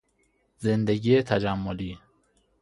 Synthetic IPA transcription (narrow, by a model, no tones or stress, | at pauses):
zend̪eɡiːet̪ʰæd͡ʒæmːoliː